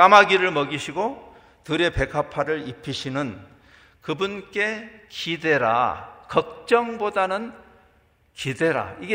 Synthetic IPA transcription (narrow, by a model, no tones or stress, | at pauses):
k͈amaɡiɾɯɭmʌɡiɕʰiɡo | tɯɾe̞pe̞ɡʰapʰaɾɯɭipʰiɕʰinɯn | kɯbunk͈e̞kide̞ɾa̰kʌk̚t͡ɕ͈ʌŋbodanɯn | kide̞ɾa̰iɡe